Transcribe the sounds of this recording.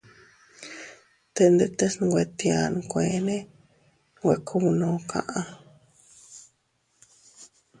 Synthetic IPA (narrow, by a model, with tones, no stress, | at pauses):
t̪e˧nd̪e˧t̪e˦sɡʷe˧t̪i˧a˧ñ˧kʷẽ˨˦nẽ˦ | ɡʷe˧kʰu˦˧nõː˧kʰã̰˧ʔã˧